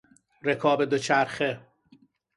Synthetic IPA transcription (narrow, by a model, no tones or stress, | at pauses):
ɾekʰɒːbed̪ot͡ʃʰæɾxe